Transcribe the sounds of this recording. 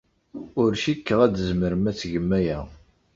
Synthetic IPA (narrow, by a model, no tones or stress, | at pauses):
ʊɾʃikːəʁæd̪əzməɾəmæt͡sːʝəmːæjæ